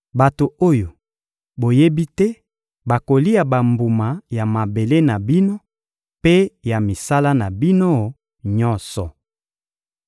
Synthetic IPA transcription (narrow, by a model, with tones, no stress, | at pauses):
ba˨to˨o˦jo˨ | bo˨je˦bi˦tɛ˦ | ba˨ko˨li˦ja˨ba˨mbu˨ma˨ja˨ma˨be˨le˦na˨bi˦no˦ | pe˦ja˨mi˨sa˦la˦na˨bi˦no˦ | ɲɔ˦nsɔ˨